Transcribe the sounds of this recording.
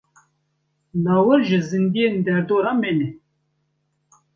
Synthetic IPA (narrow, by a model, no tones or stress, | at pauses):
nɑːwəɾʒɪzɨnd̪ijend̪ɛɾd̪oːɾɑmene